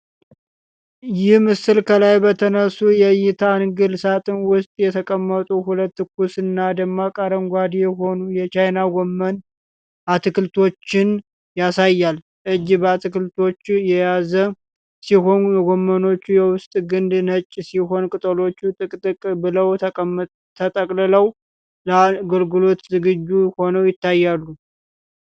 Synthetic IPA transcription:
jɪhmɨsɨlkʰəlajbət̪ʰənəsujɛjɪt̪ʰanɡɨlsat̪ʼɨnwʊst̪ʼjɛt̪ʰəkʼəmːət̪ʼuhulət̪ːɨkusɨnːad̪əmːakʼaɾəŋɡʷad̪ijɛɦo̞nujɛt͡ʃajnaɡomːən | ʔat̪ʰɨkɨlt̪ʰo̞t͡ʃːɪn | jasajːal | ʔɨd͡ʒbəat̪ʰɨkɨlt̪ʰo̞t͡ʃːjɛjazə | siɦo̞nɡomːəno̞t͡ʃːujɛwʊst̪ʼɡɨnd̪nət͡ʃʼːsiɦo̞nkʼɨt̪ʼəlo̞t͡ʃːut̪ʼɨkʼt̪ʼɨkʼbɨləwʼ | t̪ʰət̪ʼəkʼlɨləw | ləɡəlɡɨlo̞t̪zɨɡɨd͡ʒːuho̞nəwjɪt̪ːajːalːu

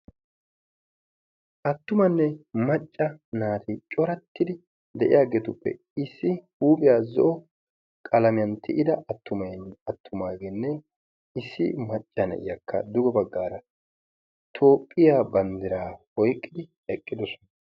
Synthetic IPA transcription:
ʔɐt̪ːʊmɐnːɛmɐt͡ʃʼːɐnaːt̪ɪt͡ʃʼɔɾɐt̪ːɪd̪ɪ | d̪ɛʔɪ̰jaːɡeːt̪ʊpːɛ̰ | ɪsːɪhuːbɪjaːzɔ̰ʔɔ | kʼɐlɐmɪjɐnt̪ʰɪʔɪd̪ɐɐt̪ːʊmɐɐt̪ʰːʊmaːɡenːɛ | ɪsːɪ̰mɐt͡ʃʼːɐnɛ̰ʔɪ̰jɐkʰːɐ̰d̪ʊɡɔbɐɡːaːɾɐ | t̪ʰo̞ːpʼːɪjaːbɐnd̪ɪɾaːhɔjkʼːɪd̪ɪ | ɛkʼːɪd̪ɔsɔ̥nɐ

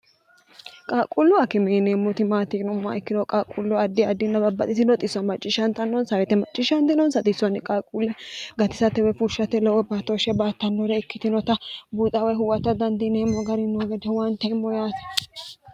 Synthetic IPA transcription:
kʼaːkʼʊlːʊɐkːɪmɛːnemːɔt̪ɪmaːt̪inʊmːa̰ɪkːɪlɔkʼaːkʼːʊlːɔɐd̪ːɪɐd̪ːɪnːɐbɐbːɐt̪ʼɪsɪnɔt̪ʼɪsːɔnmɐt͡ʃʼːɪʃɐnt̪ɐnːɔnsɐɾɛt̪ɛmɐt͡ʃʼːɪʃɐnt̪ɪnɔnsɐt̪ʼɪsːɔnːɪkʼaːkʼulːɛɡɐt̪ɪsɐt̪ːɛwɛfʊʃɐt̪ːɛlɛwɔbaːt̪ːoʃɛbaːt̪ːɐnːoɾɛɪkːɪt̪ɪnɔt̪ɐbuːt͡sʼɐwɛɦʊwɐt̪ɐd̪ɐnd̪ɪneːmːɔɡɐɾɪnːoɡɛd̪ɛwant̪ɛmːɔjaːt̪ɛ̥

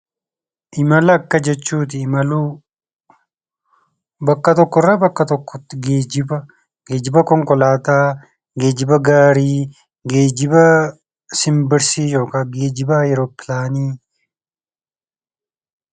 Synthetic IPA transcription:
ʔɪmɐlɐɐkːɐd͡ʒɛt͡ʃːuːt̪̬ɪmɐlu | bɐkːɐt̪ɔkːɔrːɐbɐkːɐt̪ɔkːɔt̪ɡeːd͡ʒɪbɐ | ɡeːd͡ʒɪbɐkɔŋkɔlaːt̪aː | ɡeːd͡ʒɪbɐɡaːɾiː | ɡeːd͡ʒɪbɐ | sɪmbɪɾsiːjoːkɐɡeːd͡ʒɪbajɛɾopːɪlaːniː

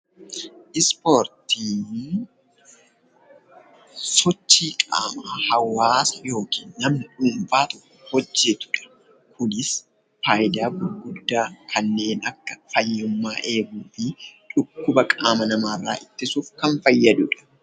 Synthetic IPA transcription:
ʔɪspo̞ːɾt̪iːn | sɔt͡ʃːiːkʼa̰ːmaːhɐwːaːsɐjo̞ːkiːnːɐmnɪᶑuːɱfaːt̪ɔkːɔ̥hɔd͡ʒːɛt̪ʊ̥ᶑɐ̥ | kʰʊnɪs | faːjd̪aːɡʊlɡʊd̪ːaːkʰɐnːe̞ːnɐkːɐ̥fɐjːʊmːaːʔe̞ːɡuːfɪt͡ʃʊkːʊbɐkʼaːmɐnɐmaːrːaːʔɪt̪ːɪsuːfkɐnfɐjːɐd̪ʊᶑɐ̥

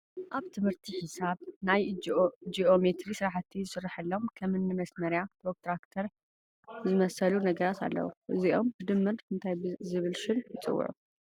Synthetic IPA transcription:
ʔaβt̪ʰɨmhɨɾt̪ʰiħisaβnajd͡ʒiʔomet̪ɾisɨɾaħt̪ʰːizɨsɨrːaħɨlːo̞mkʰɐmɨnːɨmɐsmɐɾjat̪ʰɾok̚t̪ɾakt̪ʰɐɾ | zɨmɐsɐlunɐɡɐɾat̪ʰa̰lːɐ̰wṵʔɨziʔo̞mbɨd̪ɨmːɨɾɨnt̪ʰajzɨβɨlʃɪnjɨt͡sʼɨ̰wːʊ̰ʕṵ

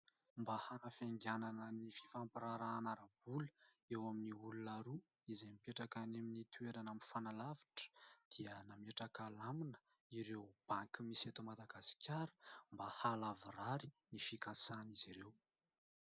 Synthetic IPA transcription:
mbahanafeŋɡananənifi̥fampiɾaɾaːnaɾabulə | ewaminiulunaɾu | izemipeʈ͡ʂakaneminit̪ʰueɾanamifanalavi̥ʈ͡ʂə̥d̪̥iənameʈ͡ʂakalaminə̥ | iɾewb̥aŋkimiset̪omad̪aɡasi̥kʲʰaɾə̥mbahalaviraɾi | nifikasaniziɾew

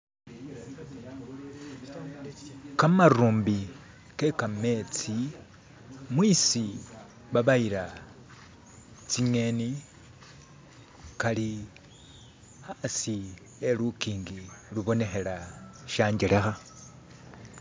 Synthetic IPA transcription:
kamaɾuːmbi | ke̞kame̞t͡si | mwisi | βaβaiɾa | t͡siɲe̞ni | kali | xasi | elukiːŋɡiluβo̞ne̞xe̞laʃaːɲɟele̞xa

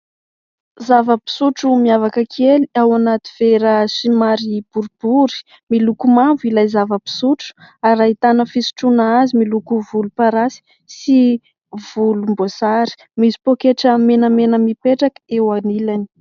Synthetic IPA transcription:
zavəpi̥suʈ͡ʂumiavakəkʰeliawanat̪iv̥eɾəsimaɾib̥uɾub̥uɾi̥ | milukumavilajzavəpi̥suʈ͡ʂu̥aɾait̪anəfisu̥ʈ͡ʂunaazimilukuvulupaɾasi̥ | si | v̥ulumbosaɾi̥ | mizi̥pokeʈ͡ʂəmenəmenəmipeʈ͡ʂakə̥ewanilani̥

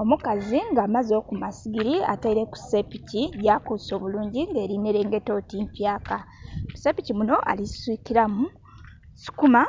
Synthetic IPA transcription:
o̞mukaziŋɡaːmazo̞ːkumasiɡiɾia̰taiɾe̞ku̥sepiciɟaːkuso̞βuluːɲɟiŋɡe̞ːɾine̞ɾe̞ːŋɡe̞to̞timpjaːka | kusepicimuno̞ʔa̰lisi̥swiːkiɾamu | si̥kuma

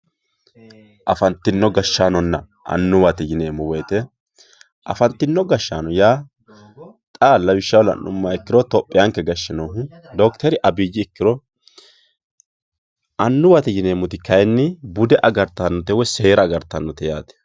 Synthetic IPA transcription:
ʔɐfɐnt̪ːɪnːɔɡɐʃːaːnɔnːɐ | ʔɐ̰nːʊwɐt̪ɪjɪneːmːʊwɛjt̪ɛ | ʔɐ̰fɐnt̪ːɪnːɔɡɐʃːaːnɔjaː | t̪ʼaːlːɐwɪʃːɐwlɐ̰nːʊ̰mːaɪkːɪɾɔt̪ɔpʼːɪjaŋkːɛɡɐʃːɪnoːɦʊ | d̪ɔkt̪ɛɾɪʔɐbiːd͡ʒːɪːkːɪɾɔ | ʔɐnːʊwat̪ɪjɪneːmːʊt̪ɪkɐjnːɪbʊd̪ɛʔɐɡɐɾt̪ːanːɔt̪ɛwɛseːɾɐːɡɐɾt̪ːɐnːɔt̪ɛjaːt̪ɛ̥

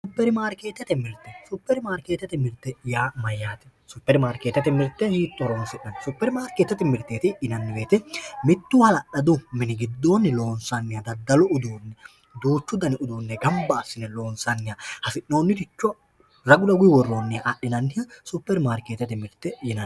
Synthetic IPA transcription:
sʊpːɛɾɪmaːɾkeːt̪ːɐt̪ɛmɪɾt̪ːɛsʊpːɛɾɪmaːɾkeːt̪ːɐt̪ɛmɪɾt̪ːɛjaːmɐjːaːt̪ɛ̥ | sʊpːɛɾɪmaːɾkeːt̪ːɐt̪ɛmɪɾt̪ːɛhiːt̪ʼːɔɾonsɪʔːɐnɪsʊpːɛɾɪmaːɾkeːt̪ːɐt̪ɪmɪɾt̪ːeːt̪ɪɪnɐnːɪbe̞ːt̪ɛmɪt̪ːʊhɐlɐɗɐd̪ʊmɪnɪɡɪd̪ːo̞ːnːɪlo̞ːnsɐnːɪjɐd̪ɐd̪ːɐlɔʊd̪uːnːɛ | d̪uːt͡ʃːʊd̪ɐnɪʊd̪uːnːɛɡɐmbɐːsːɪnɛlo̞ːnsɐnːɪjahɐsɪʔːo̞ːnːɪt̪ɪt͡ʃːɔ | ɾɐɡʊlɐɡʊjɪwɔrːoːnːɪjɐʔɐɗːɪnɐnːɪjɐsʊpːɛɾɪmaːɾkeːt̪ːɐt̪ɪmɪɾt̪ːɛjɪnɐn

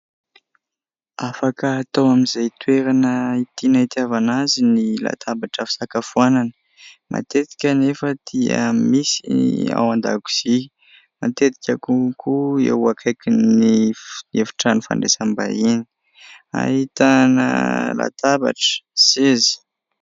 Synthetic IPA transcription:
afakəːt̪awamizajt̪weɾanəit̪inait̪javanazinila̰t̪ʰabaʈ͡ʂəfi̥sakafuananə̥ | mʔa̰t̪et̪i̥kʲənefəd̪̥iə̰misia̰wand̪a̰ɡu̥z̥i | mat̪et̪i̥kʲakukʰuḛwakʰajkiniefi̥ʈ͡ʂanifa̰ɳɖ͡ʐesamba̰ini̥ | a̰ɦit̪anə̰la̰t̪aba̰ʈ͡ʂə̥sezi̥

